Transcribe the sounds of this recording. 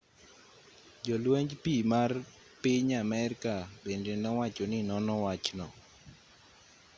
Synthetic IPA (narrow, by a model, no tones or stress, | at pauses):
d͡ʒɔlweɲd͡ʒpimar | pɪɲamɛɾkabendenɔwat͡ʃɔnɪnɔnɔwat͡ʃnɔ